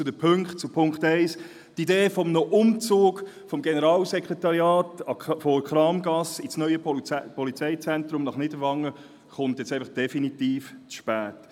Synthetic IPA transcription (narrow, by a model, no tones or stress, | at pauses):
t͡sʊdəpʰɵŋkχtt͡supʰʊŋkχtɛɪs | tideːfɔmnoʔʊmt͡soːɡ | fɔmɡenəɾɑːlsɛkɾetɑɾijɑːtɑfokχɾɑːmɡɑsisnœʏəpɔlit͡sɛɪt͡sɛnt̪ɾʊmnɑχnɪd̥əɾʋɑŋːə | χʊntjɛt͡sɛɪfɑχd̥ɛfinitiːft͡sʃpæːt